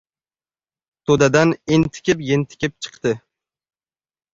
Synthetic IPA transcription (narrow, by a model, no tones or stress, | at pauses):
t̪ʰod̪ad̪anɪnt̪ʰɪ̥kʲʰɪpjent̪ʰɪ̥kʲɪp̚t͡ʃʰɨ̥qt̪ɪ